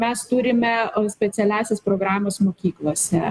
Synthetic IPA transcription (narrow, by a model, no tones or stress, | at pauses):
mʲɛst̪uːɾʲɪmʲɛsʲpʲɛt̪sʲɛlʲæːsʲespɾoːɡɾɑːmoːsmoːkʲiːklˠoːsʲɛ